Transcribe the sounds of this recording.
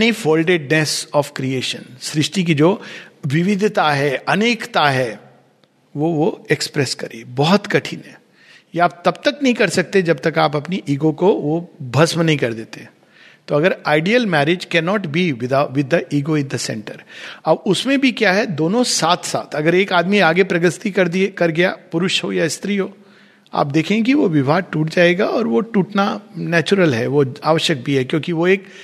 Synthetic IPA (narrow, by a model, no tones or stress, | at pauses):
nifoːlɖeɖnesɔːfkɾieːʃə̰̃nsɾɪʃʈik̬id͡ʒoːʋɪʋɪd̪ʱt̪aɦɛʔɐneːkt̪aɦɛ | ʋoʋoekspɾɛskɐɾḛːbɔɦʊt̪kɐʈʰinɦɛ̰̃ | jeaːp̚t̪ɐb̚t̪ɐknɐɦĩkɐɾsɐk̚t̪ed͡ʒɐb̚t̪ɐkaːpɐpniʔiːɡokoʋobʱɐsmnɐɦĩkɐɾd̪eːt̪ẽ | t̪oːɐɡəɾaːɪɖijəlmɛːɾed͡ʒkɛːnɔːʈbʱiʋɪd̪aʋɪd̪ʱəʔiːɡoɪ̃nd̪əsɛ̰̃ɳʈəɾɐbʊsmẽbʱikjaːɦɛd̪oːnõsaːt̪ʰsa̰ːt̪ʰɐɡəɾeːkaːd̪miaːɡepɾɐɡəst̪ikɐɾd̪ikɐɾɡɐja̰pʊɾʊʃɦojaɪst̪ɾiɦoː | a̰ːp̚d̪eːkʰẽk̬iʋoʋɪbʱaːʈuːʈd͡ʒaːeɡaɔːɾʋoʈuːʈnanɛːt͡ʃʊɾəlɦɛ̰ʋoaːʋəʃjək̚bʱiɦɛkjõːkiʋoeːk